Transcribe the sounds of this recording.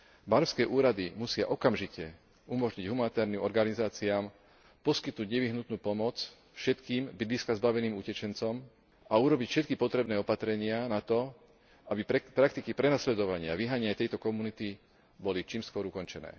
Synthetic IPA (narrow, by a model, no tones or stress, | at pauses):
banskɛːʔuːɾad̪imusɪaʔɔkamʒicɛ | umɔʒɲiɟɦumanit̪ɛːɾnimɔɾɡanizaːt͡siaːm | pɔskit̪nuɟɲɛʋiɦnut̪nuːpɔmɔt͡s | fʃɛt̪kiːmbid̪liskazbaʋɛniːmucɛt͡ʃɛnt͡sɔm | auɾɔbicfʃɛt̪kipɔt̪ɾɛbnɛːɔpat̪ɾɛɲɪanat̪ɔ | abipɾakt̪ikipɾɛnaslɛd̪ɔʋaɲɪa̰ʋiɦaɲɪajt̪ɛjt̪ɔkɔmunit̪i | bɔlit͡ʃiːmskʊɔɾukɔnt͡ʃɛnɛ̰ː